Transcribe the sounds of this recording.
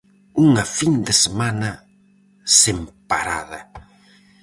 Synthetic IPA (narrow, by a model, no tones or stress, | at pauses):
uŋɐfind̪ɪsemanɐ | sempa̰ɾa̰ðɐ